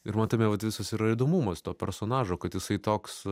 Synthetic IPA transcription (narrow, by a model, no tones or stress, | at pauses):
ɪɾmɑnt̪ɐmʲɛʋɐt̪ʋʲɪsɐsiɾɐɪd̪oːmumɐst̪oːpʲɛɾsoːnɑːʒoːkɐt̪jɪsɐɪt̪oːks